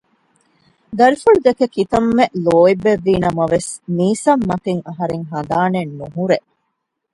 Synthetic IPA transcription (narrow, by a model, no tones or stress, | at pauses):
d̪ɐɾifuɭud̪ekekit̪ɐmːeʔloːibːeʋːiːnɐmɐʋesmiːsɐmːɐk̪eŋɐɦɐɾeŋɦɐnd̪aːnenːuɦuɾeʔ